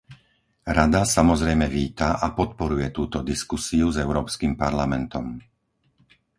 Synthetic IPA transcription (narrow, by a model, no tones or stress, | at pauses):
ɾad̪asamɔzɾɛjmɛʋiːt̪aʔapɔt̪̚pɔɾujɛt̪uːt̪ɔd̪iskusiuzɛʊɾɔːpskimpaɾlamɛnt̪ɔm